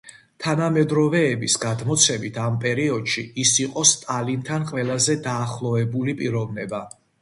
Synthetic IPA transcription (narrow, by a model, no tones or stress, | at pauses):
t̪ʰanamɛd̪ɾɔvɛːbisɡad̪mɔt̪sʰɛmit̪ʰampʼɛɾiɔd̪̥ʃiisiqʼɔst̪ʼalint̪ʰanqʼvɛlˠazɛd̪aːχlˠɔɛbulipʼiɾɔvnɛba